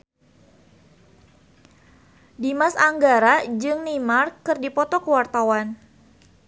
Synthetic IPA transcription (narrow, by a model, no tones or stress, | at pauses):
dimasaŋɡaɾad͡ʒɨŋnimarkɨrdipɔt̪ɔkəwart̪awan